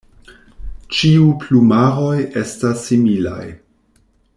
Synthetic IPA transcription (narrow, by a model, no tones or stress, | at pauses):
t͡ʃiuplumaɾoje̞stasːimila̰j